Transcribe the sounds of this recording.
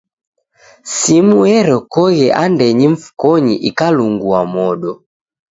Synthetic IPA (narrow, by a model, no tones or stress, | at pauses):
simuɛɾɔkɔɣɛʔandɛɲiɱ̩fu̥kɔɲḭʔikaluŋɡuamɔɗɔ